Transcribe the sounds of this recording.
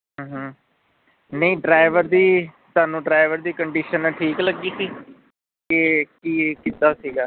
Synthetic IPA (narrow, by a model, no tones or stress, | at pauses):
ɦːɦ | nəĩːɖɾaːɪʋəɾd̪iːt̪aːnũːɖɾaːɪʋəɾd̪iːkəɳɖiːʃənʈʰiːkləɡiːsiː | kekiːkit̪aːsiːɡaː